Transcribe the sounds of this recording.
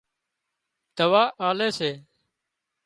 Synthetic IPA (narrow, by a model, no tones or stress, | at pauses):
d̪̥əʋaːʔaːleːseː